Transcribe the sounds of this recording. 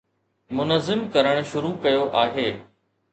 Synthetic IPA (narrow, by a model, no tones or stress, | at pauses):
mʊnəzɪmkɐɾəɽ̃ʃʊɾukɐjoʔaːɦeː